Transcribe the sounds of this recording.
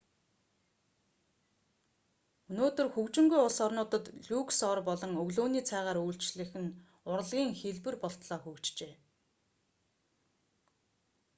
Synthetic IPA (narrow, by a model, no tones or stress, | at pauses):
ɵnoːt̪ɵ̆rxɵkt͡ɕɪ̆ŋɡujʊɮsɔrnʊːt̪ə̆t̪ɮuksɔrpɔɮɞ̆ŋɵɣɮoːniːt͡sʰæːʁaːɾujɬt͡ɕɮɘ̆xɘ̆n | ʊɾə̆ɮɣʲiːŋxeɮpɘ̆rpɔɬt̪ɮɔːxɵkt͡ɕt͡ɕeː